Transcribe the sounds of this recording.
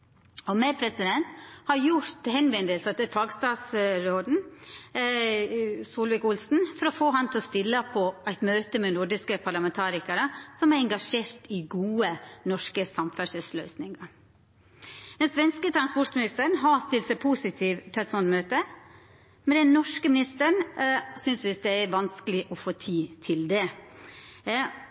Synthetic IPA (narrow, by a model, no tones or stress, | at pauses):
ɔmæpʰɾɛsɪd̪ɛnt̪hɑɾjʊɾt̪hɛnʋɛnd̪əlsət̪ɛfɑːɡst̪ɑːt̪sɾoːd̪n̩ | suːlʋɪkʊlsn̩fɔɾɔfoːɦɑnt̪ʰɛlɔst̪ɪlːəpʰɔæɪt̪møːt̪əmɛnʊɾɖɪskəpʰɑɾɭɑmɛnt̪ʰɑːɾɪkəɾəsɔmæɾɛŋɡɑʂeːɾt̪ɪɡuːənɔʂkəsɑmfæʂɪlslœʏsnɪŋɑ | d̪ɛnsʋɛnskət̪ʰɾɑnspɔɾt̪mɪnɪst̪əɾɳɦɑst̪ɪlt̪sæɪpʰuːsɪt̪ʰiːʋt̪ʰɛsɔnmøːt̪ə | mɛd̪ɛnnɔʂkəmɪnɪst̪əɾɳsʏnsʋɪsd̪ɛæɾʋɑnskəlɪʔɔfoːt̪ʰiːt̪ʰɪld̪ɛ